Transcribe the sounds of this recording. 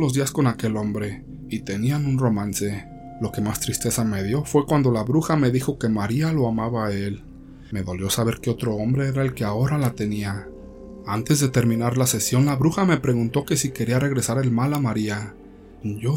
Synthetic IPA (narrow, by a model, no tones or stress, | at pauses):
lo̞zðiasko̞nake̞lo̞mbɾe̞ | it̪e̞nianunro̞mãnse̞ | lo̞ke̞mast̪ɾist̪e̞same̞ðjo̞fwe̞kwand̪o̞laβɾuxame̞ðixo̞ke̞maɾialo̞amaβael | me̞ðo̞ljo̞saβ̞e̞ɾkeo̞t̪ɾo̞o̞mbɾe̞eɾae̞lke̞ao̞ɾalat̪e̞nia | ant̪e̞zðe̞t̪e̞ɾmĩnaɾlase̞sjo̞nlaβɾuxame̞pɾe̞ɣunt̪o̞ke̞sike̞ɾiare̞ɣ̞ɾe̞saɾe̞lmalamaɾia | ʝo